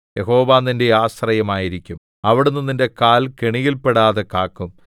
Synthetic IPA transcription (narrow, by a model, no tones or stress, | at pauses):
jeɦo̞ːʋaːnːinde̞aːsrɐjɐmaːjiɾikʲːum | ɐʋiɽunːuninde̞kaːlkeɳiɣilpeɽaːðekaːkːum